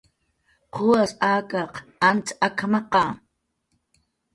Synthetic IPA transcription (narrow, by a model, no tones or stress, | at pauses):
qʰʊwasaːkɑqant͡sakʰmɑqɑː